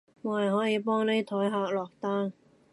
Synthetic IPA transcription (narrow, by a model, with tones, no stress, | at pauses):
moː˨˧hɐ˨˩jɦɔː˨˥jiː˨˧pɔː˥ŋne˥jt̪ʰɔː˨˥jɦaː˧k̚lɔː˨k̚t̪aː˥ŋ